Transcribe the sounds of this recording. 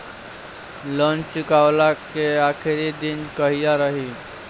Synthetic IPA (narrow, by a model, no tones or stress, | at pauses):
lə̃ːnt͡ʃʊkaːwlakeaːkʰɪɾid̪ɪnkəɦijaɾəɦiː